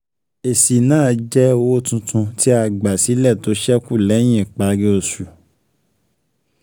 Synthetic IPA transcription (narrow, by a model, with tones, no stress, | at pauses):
e˨si˨nãː˦˨d͡ʒɛ˦o˧wo˦tũ˧tʰũ˧ti˦a˧ɡ͡ba˨si˨˦lɛ˦˨to˨˦ʃɛ˦ku˦˨lɛ˨˦j̃ĩ˦˨k͡pa˨˧ɡi˦o˧su˨